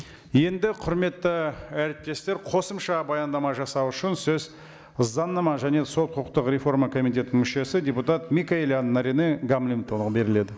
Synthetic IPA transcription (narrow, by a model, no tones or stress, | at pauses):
je̞nd̪ɪqʰʊɾme̞t̪ːɪæɾɪp̚t̪ːe̞st̪e̞ɾqʰo̞səmʃɑbɑjɑnd̪ɑmɑʒɑsɑwʏʃɪnsɵz | əzd̪ɑnːɑmɑʒæne̞so̞t̪̚qʰəəqt̪əqɾʲe̞fo̞ɾmɑkʰo̞mijt̪̬ʲe̞t̪nɪmʏʃe̞sɪd̪ʲe̞put̪at̪mʲikaelʲanːaɾineɡamlʲimt̪olˠʁbe̞ɾɪle̞d̪ɪ